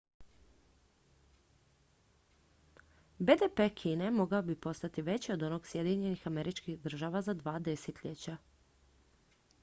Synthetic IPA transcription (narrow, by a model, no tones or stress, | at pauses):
bed̪epekʰiːne̞mo̞ɡaobipo̞st̪at̪iʋe̞t͡ɕiod̪o̞no̞ːɡsje̞d̪iɲe̞nixameɾit͡ʃkixd̪r̩ʒaʋazad̪ʋaːd̪e̞set̪ʎet͡ɕa